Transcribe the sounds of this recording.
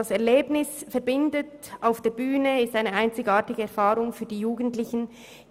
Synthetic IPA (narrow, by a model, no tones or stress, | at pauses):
asɛɐleːbnɪsfɛɐɾbɪndətaʊfd̥eːɐbyːnəɪstaɪnəaɪnt͡sɪçaːɐtɪɡ̥əɛɐɾfaːʁʊŋfyːɐdiːjuːɡən̩tlɪçn̩